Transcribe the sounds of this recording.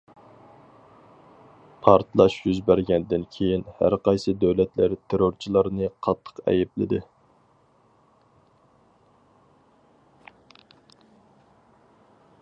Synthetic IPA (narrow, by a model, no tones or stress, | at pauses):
pʰɑɾt̪lˠɑʃjyzbæɾɡʲɛnd̪ɪnkʲʰejinhæ̰ɾqɑjsɨd̪øwlɛt̪læɾt̪ʰeɾoɾt͡ʃʰilˠɑɾnɨqʰɑt̪ʰːə̥qɛ̰jɛplɪ̰d̪ɪ